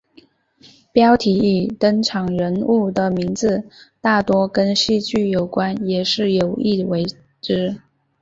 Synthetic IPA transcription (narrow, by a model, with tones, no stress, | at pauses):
pjɑ˥ʊt̪ʰi˧˥i˨˩t̪ə˥ŋʈ͡ʂʰɑ˨˩ŋɻə˧˥nu˥˩d̪ə˩mi˧˥ŋd͡zɹ̩˧˦t̪a˥˩t̪wɔ˥kə˥nɕi˥˧t͡ɕy˥˩jo˨˩ʊkwa˥njɛ˨˩ʂɻ̩˥˩jo˨˩ʊi˥˩we˧˥ɪ | ʈ͡ʂɻ̩˥